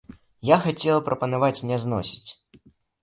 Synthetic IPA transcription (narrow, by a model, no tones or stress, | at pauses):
jaxat͡sʲɛlˠpɾʔɐpɐnavat͡sʲnʲɛznɔsʲi̥t͡sʲ